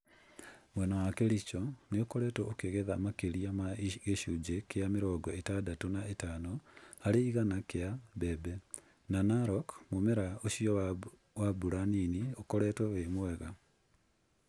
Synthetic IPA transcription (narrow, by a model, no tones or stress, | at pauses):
mwɛnɔwakeɾit͡ʃɔneokɔɾɛtɔokeɣeðamakeɾiamaɣeʃud͡ʒekeameɾɔɡɔetadatonaetanɔhaɾeiɣanakeabɛbɛ | nanaɾɔkmomɛɾaoʃiɔ | wabuɾaniniokɔɾɛtwɔwemwɛɣa